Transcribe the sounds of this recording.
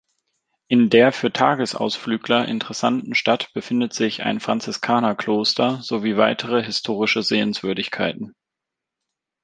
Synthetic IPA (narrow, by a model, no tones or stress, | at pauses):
ʔɪndeːɐfyːɐtʰaːɡəsʔa̰ʊsflyːɡlɐʔɪ̰ntəʁɛsantn̩ʃtatb̥əfɪndətz̥ɪça̰ɪnfʁ̥ant͡sɪskʰaːnɐkloːstʰɐz̥oviːvaɪtʰəʁəɦɪstʰoːʁɪʃəzeːənsv̥ʏɐdɪçkʰaɪtn̩